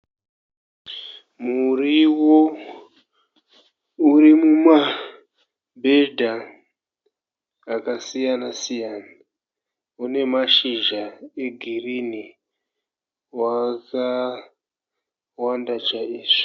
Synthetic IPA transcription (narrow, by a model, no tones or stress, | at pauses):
muriwo | uɾimuma | bʱedʱa | kasijanasijaːna | une̞maʃiʒae̞ɡʱirini | waka | wandat͡ʃaiːʐ̥i̥